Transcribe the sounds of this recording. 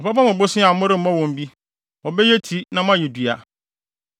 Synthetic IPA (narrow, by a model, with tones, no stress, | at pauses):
ɔ˨pa˦pã˦mʊ̃˨bʊ˦sɪ˦a˨˦mʊ̃˦ɾɪ˦m̩˦mɔ̃˦wɔ̃˨m˦bi˦ | ɔ˨bɛ˦jɛ˦tʰi˨˦nã˨m˦ã˦jɛ˨dɥa˨